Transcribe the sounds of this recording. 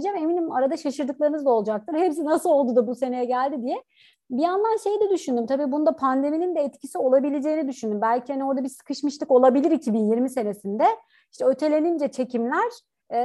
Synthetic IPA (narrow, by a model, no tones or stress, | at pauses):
d͡ʒame̞minimaɾad̪aʃaʃɯɾd̪ɯklˠaɾɯnɯzd̪ao̞lˠd͡ʒak̚t̪ʰɯɾhepsinasɯlˠo̞lˠd̪ud̪abuse̞ne̞jɛɟælʲd̪id̪ijɛ | bijanlˠanʃe̞jid̪ɛd̪yʃynd̪ymt̪ʰabiːbund̪apʰand̪e̞minind̪ɛɛt̪cʰisio̞lˠabilʲed͡ʒe̞jːinid̪yʃynd̪ymbælʲcʰihanio̞ɾd̪abizsɯ̥kʰɯʃmɯʃt̪ɯko̞lˠabilʲiɾicʰːibinjiɾmise̞nesind̪ɛ | iʃt̪ʰɛø̞t̪ʰe̞lʲe̞nind͡ʒɛt͡ʃʰe̞cimlʲæɾ̥